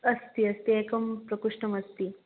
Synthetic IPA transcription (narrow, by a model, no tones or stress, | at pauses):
ɐst̪iɐst̪iekɐmpɾɐkuʂʈɐmɐst̪i